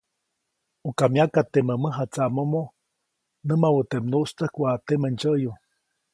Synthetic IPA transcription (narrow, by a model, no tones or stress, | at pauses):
ukamjakat̪eməməɦat͡saʔmomo | nɨmawət̪emnuʔst̪əhkʷat̪emənt͡ʃəʔju